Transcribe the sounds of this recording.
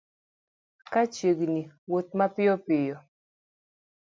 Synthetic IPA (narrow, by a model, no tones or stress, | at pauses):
kat͡ʃeɡniwot̪̚mapɪɔpɪjɔ